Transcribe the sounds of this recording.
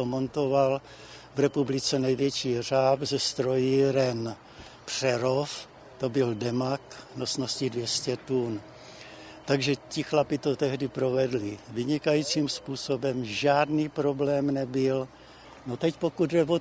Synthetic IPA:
t̪omont̪o̞val | vɾɛpublɪt͡sɛnɛjvjɛt͡ʃiːr̝aːpzɛst̪ɾo̞jɪɾɛn | pr̝̥ɛɾof | t̪o̞bɪldɛmaknosnoscɪdvjɛscɛt̪un | t̪aɡʒɛcɪxlapɪt̪ot̪ɛɦdɪpɾo̞vɛdlɪvɪɲɪkajiːt͡siːmspuːso̞bɛmʒaːdniːpɾo̞blɛːmnɛbɪl | no̞t̪ɛcpokud̪dɛvo

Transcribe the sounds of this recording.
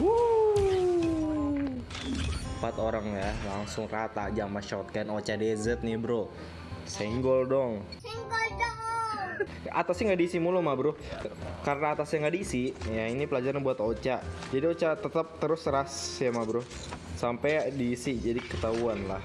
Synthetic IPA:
u | pat̪oɾaŋjalaŋsʊŋrat̪a̰d͡ʒamaʃɔt̪̚kanot͡ʃadezət̪̚nɪhbɾo | sɛŋɡɔldɔŋ | ɛŋɡld | at̪asɲaŋɡadisimulumabɾʊ | karənaːt̪asɲaŋɡadisijainipəlad͡ʒaɾɲabuat̪ot͡ʃad͡ʒadiot͡ʃat̪ət̪əp̚t̪əɾʊsɾasjamabɾʊh | sampɛdiːsid͡ʒadikət̪auanlah

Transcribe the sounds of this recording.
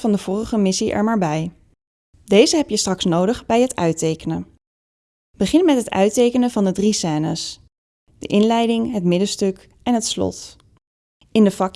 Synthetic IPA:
vɑndəv̥ʊːrəχəmɪsiʔɛ̰ɹmaːɹbɛj | dejzəɦɛpjəstrɑksnowdəχbɛjɦətœɥtejkənə | bəχɪnmɛtɦətœ̰ɥtejkənəvɑndədrisɛːnə̰s | d̥ə̰ʔɪnlɛjdɪŋɦətmɪdəstɵk | ɛnɦətslɔ̰t | ɪndəfɑk

